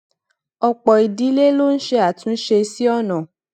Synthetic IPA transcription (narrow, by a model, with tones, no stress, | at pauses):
ɔ˧k͡pɔ˨i˨di˨˦le˦lo˦n̩˦ʃe˧a˦˨tũ˨˦n̩˦ʃe˧si˦ɔ˦nã˨